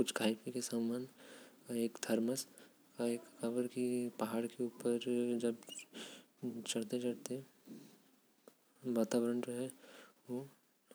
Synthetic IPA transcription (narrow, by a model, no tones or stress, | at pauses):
kʊt͡ʃʰɡʰʱaːɪpikesamːaːn | eːkd̪ʱɐɾməs | kaeːkkɐbəɾkipɐɦaːɽkeuːpəɾd͡ʒɐb | t͡ʃɐɽt̪et͡ʃɐɽt̪e | ʋaːt̪aːʋɾəɳd͡ʒoːɦɛʋo